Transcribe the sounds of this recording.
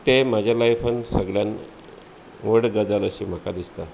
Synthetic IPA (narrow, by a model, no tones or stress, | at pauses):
t̪emad͡ʑʱjalajfənsəɡɭjan | ʋəɽɡəd͡zaləɕiːm̤akad̪ist̪a